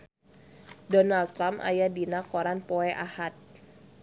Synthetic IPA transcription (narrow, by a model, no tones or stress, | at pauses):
dɔnalt̪ːɾamʔa̰jadinakɔɾanpɔɛʔahat̪̚